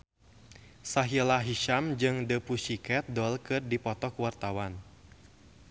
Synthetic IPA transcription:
saɦilaɦiʃamd͡ʒɨŋdəpusikɛt̪̚dɔlkɨrdipɔt̪ɔkwart̪awan

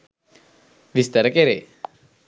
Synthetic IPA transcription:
ʋist̪əɾəkeɾe

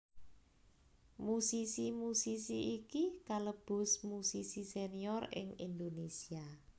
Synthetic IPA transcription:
musisimusisiikikaləb̥ʊ̤smusisiseniɔrɪ̰ŋind̪onesia

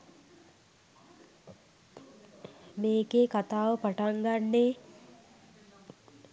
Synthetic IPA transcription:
meːɡekat̪aːʋəpaʈaŋɡanːe

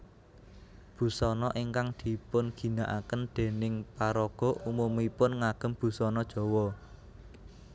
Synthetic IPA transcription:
b̥ṳsɔnɔʔiŋkaŋd̪̥i̤pʊnɡ̥i̤naʔakənd̪̥e̤nɪŋpaɾɔɡ̥ɔ̤ʔumumipʊnŋaɡ̥ə̤mb̥ṳsɔnɔd̥ʒ̥ɔ̤wɔ

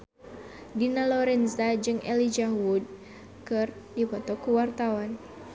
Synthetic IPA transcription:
dinalɔɾɛnzad͡ʒɨŋɛlid͡ʒawud̚ | kɨr | dipɔt̪ɔkuwart̪awan

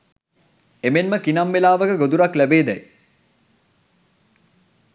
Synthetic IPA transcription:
emenməkinamːelaːʋəkəɡod̪uɾaklæbeːd̪ɛj

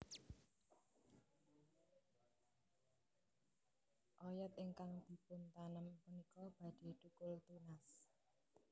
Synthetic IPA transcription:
ʔɔjɛt̪ɪŋkaŋd̪̥i̤pʊnt̪anəmpunikɔb̥a̤d̪̥e̤d̪̥ukʊlt̪unas

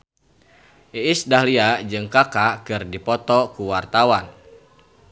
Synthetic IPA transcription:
ʔiisdahliad͡ʒɨŋkakakɨrdipɔt̪ɔkuwart̪awan

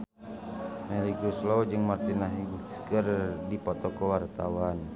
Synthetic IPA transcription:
mɛliɡɾuslɔd͡ʒɨŋmart̪inaɦiɡskərdipɔt̪ɔkɔwart̪awan

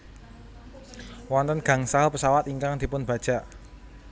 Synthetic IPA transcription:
wɔnt̪ənɡ̥ä̤ŋsaɦəpəsawat̪iŋkaŋd̪̥i̤pʊnb̥a̤d̥ʒ̥a̤ʔ

